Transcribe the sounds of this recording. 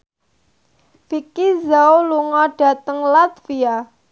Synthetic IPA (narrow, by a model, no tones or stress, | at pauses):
fikizaoluŋɔɖ̥ä̤t̪əŋlat̪fia